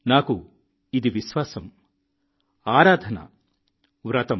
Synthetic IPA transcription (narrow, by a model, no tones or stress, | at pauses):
naːku | id̪iʋiʃʋaːsɐm | aːɾaːd̪ʱɐnɐ̰ | ʋɾɐt̪ɐm